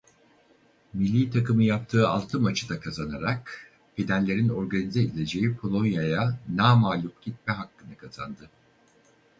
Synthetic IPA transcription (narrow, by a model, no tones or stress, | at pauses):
milʲːiːt̪ʰakɯmɯjap̚t̪ʰɯːa̰lˠt̪ʰɯmat͡ʃʰɯd̪akʰazanaɾak | bid̪ænlʲe̞ɾino̞ɾɡanized̪ilʲe̞d͡ʒe̞jipʰolˠo̞njajanaːmaːlʲupɟit̪̚mɛɦakːɯnɯkʰaza̰nd̪ɯ